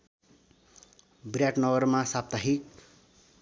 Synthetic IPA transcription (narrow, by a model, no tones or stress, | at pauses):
brjaʈnʌwʌrmasap̚t̪aɦi